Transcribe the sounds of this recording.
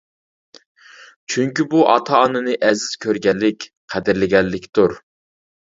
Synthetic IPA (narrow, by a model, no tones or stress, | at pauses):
t͡ʃʰyŋkʲibuʔɑ̰t̪ʰɑːnɨnɨʔɛzɪz̥kʲʰøɾɡʲɛlːɪkʲ | qʰæd̪ɪɾlɪɡʲɛlːɪkʲt̪uɾ